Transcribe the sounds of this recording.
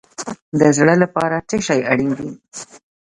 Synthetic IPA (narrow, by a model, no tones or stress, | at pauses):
d̪əzɽəlapɑɾaʈeʃajaɽind̪i